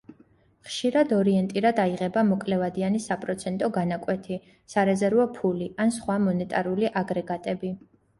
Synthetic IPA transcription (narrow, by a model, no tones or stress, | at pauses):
χʃiɾad̪ɔɾiɛnt̪ʼiɾad̪aiʁɛbamɔkʼlɛvad̪ianisapʼɾɔt̪sʰɛnt̪ʼɔɡanakʼwɛt̪ʰi | saɾɛzɛɾvɔpʰuliansχwamɔnɛt̪ʼaɾuliʔaɡɾɛɡat̪ʼɛbi